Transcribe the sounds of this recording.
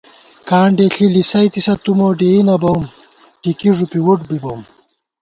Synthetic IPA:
kaːɳɖeɬilisɐjt̪isɐt̪umoɖeːinɐbɐwm | ʈikiʐupiwuʈbibowm

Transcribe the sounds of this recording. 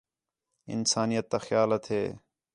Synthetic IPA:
ɪ̰nsaːnijət̪ːaːxjaːlət̪ʰɦeː

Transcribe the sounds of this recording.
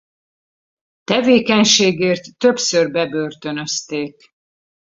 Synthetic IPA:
t̪ɛveːkɛɲʃeːɡeːrt̪ːø̞psørbɛbørt̪ø̞nø̞st̪eːk

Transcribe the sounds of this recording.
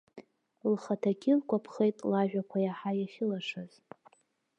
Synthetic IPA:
lχatʰaɡʲɪlkʷapʰχejtʼlaʒᶣakʷʰajaħajaχʲɪlaʂaz̥

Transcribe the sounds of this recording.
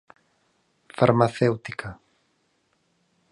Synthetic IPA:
faɾmaθewt̪ikʰa

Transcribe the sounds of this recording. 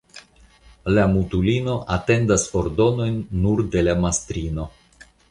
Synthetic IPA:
lamutulino̞ʔate̞ndaso̞ɾdo̞no̞jnːuɾde̞lamastɾino̞

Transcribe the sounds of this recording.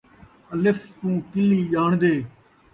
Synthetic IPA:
əlɪfʰt̪ũːkɪliːʄaːɳd̪eː

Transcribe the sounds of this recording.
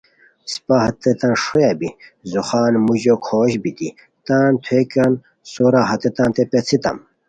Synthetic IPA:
si̥paɦɐt̪ːet̪ɐnʂojabizuxaːnmuʑokʰoːɕbit̪i | t̪aːnt̪ʰwekɐn | soɾaɦɐt̪et̪ãːnt̪epet͡sʰit̪ɐ̰m

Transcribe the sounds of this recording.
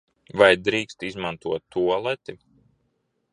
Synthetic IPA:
vajd̪ɾiːkst̪izmant̪uɔt̪ːuɔlˠɛt̪i

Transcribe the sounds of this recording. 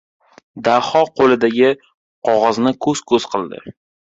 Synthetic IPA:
d̪ahɒqʰolɪd̪aɡʲɪ | qʰɒʁɒznɪkʰɵz̥kʰɵz̥qʰɨlˠd̪ɪ̰

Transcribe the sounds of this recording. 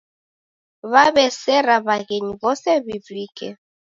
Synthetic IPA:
βaβɛsɛɾaβaɣeɲiβɔsɛbibliːkʼɛ

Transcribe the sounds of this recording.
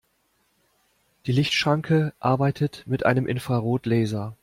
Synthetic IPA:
d̥iːlɪçtʃʁ̥aŋkʰəʔaɐbaɪtʰətmɪtʔa̰ɪnəmʔɪnfʁ̥aʁoːtlɛːzɐ

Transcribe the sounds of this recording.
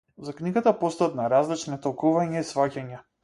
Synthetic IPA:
zakniɡat̪apɔst̪at̪naɾazlit͡ʃnit̪ɔlˠkuvaɲaisvacaɲa

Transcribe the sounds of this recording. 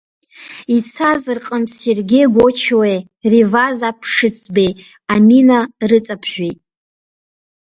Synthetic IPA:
it͡sʰazrqʼəmserɡʲejɡʷot͡ʃʰwe | rivazapʰʂɨt͡sʰbej | aminarɨt͡sʼapʰʃʷᶣejtʼ

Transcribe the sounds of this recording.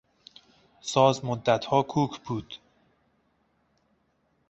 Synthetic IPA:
sɒːzmod̪ːæt̪hɒːkʰuːkʰbuːd̪̥

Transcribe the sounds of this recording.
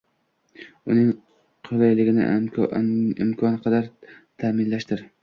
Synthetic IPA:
ʊnɪŋ | qʰʊlˠajlɪɡʲɪnɪ̰ | ɪ̰mkʰɒnqʰɑd̪aɾt̪ʰamɪnlaʃt̪ɪɾ

